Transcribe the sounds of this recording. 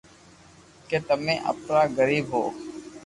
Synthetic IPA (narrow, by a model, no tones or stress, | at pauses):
ket̪əmẽːʔə̰pnaːɡəɾiːbɦoː